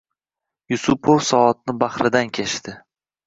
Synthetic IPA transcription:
jʊsʊpʰofsɒɒt̪̚nɪbaχɾɪd̪ankʲʰeʃt̪ɪ

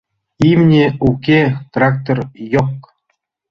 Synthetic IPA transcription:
imnʲeukʲet̪rɑk̚t̪orjok

